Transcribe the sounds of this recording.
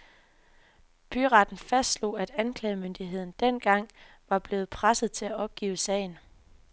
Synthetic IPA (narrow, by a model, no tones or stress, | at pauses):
b̥yʁɑ̈d̥n̩fæsd̥slo̝̰æd̥ænkʰlɛːmønd̥iɦe̝ð̞̰ˠn̩d̥en̰ɡ̥ɑ̈ŋ̰ | ʋɑ̈b̥le̝ːð̞̩ˠpʰʁasəð̩ˠt͡sʰe̝læɒ̽b̥̚ɡ̥ḭːʊsɛ̰ːɪn̩